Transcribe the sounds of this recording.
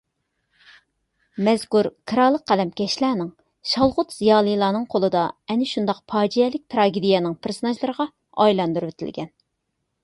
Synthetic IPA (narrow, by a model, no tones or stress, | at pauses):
mɛz̥kuɾkʰɨɾɑlˠːəqqːælɛmkʲʰɛʃlænɪŋ | ʃɑlˠʁʊt̪z̥ijɑːlˠɨjlˠɑːnɨŋqʰolˠɨd̪ɑɛnɪʃund̪ɑq̚pʰɑːd͡ʒijɛlɪk̚ʲt̪ʰɾɑːɡʲid̪ijɛnɨŋpʰeɾsɨnɑʒlˠɨɾəʁɑ | ɑ̰jlˠɑnd̪uɾwet̪ʰɪ̰lɡʲɛn